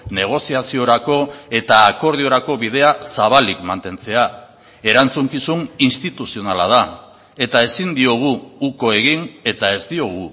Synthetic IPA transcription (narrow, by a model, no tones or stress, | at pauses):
ne̞ɣ̞o̞siasio̞ɾako̞e̞t̪aːko̞ɾðio̞ɾako̞βið̞e̞asaβalikmant̪e̞nt͡se̞a | e̞ɾant͡suŋkisuninst̪it̪usio̞nala̰ð̞a | e̞t̪ae̞sind̪io̞ɣ̞uːko̞e̞ɣ̞ine̞t̪ae̞zd̪io̞ɣ̞u